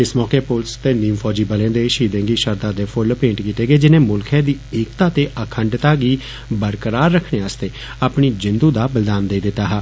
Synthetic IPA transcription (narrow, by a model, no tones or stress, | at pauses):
ɪsmɔːkeːpʊlst̪eːniːmpʰɔːd͡ʒiːbəlẽːd̪eːʃiːd̪ẽːɡiːʃəɾd̪aːd̪eːpʰʊlpẽːɳʈkiːt̪eːɡeːd͡ʒɪnẽːmʊlkʰɛ̃ːd̪iːeːkt̪aːt̪eːʔəkʰəɳɖt̪aːɡiː | bəɾkəɾaːɾːəkʰɽeːəːst̪eː | aːpɳiːd͡ʒɪnd̪uːd̪aːbəld̪aːnd̪eːd̪ɪt̪aːɦaː